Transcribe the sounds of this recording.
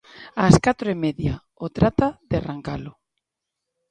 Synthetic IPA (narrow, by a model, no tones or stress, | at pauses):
askat̪ɾoemeðja | ot̪ɾat̪aðearaŋkalʊ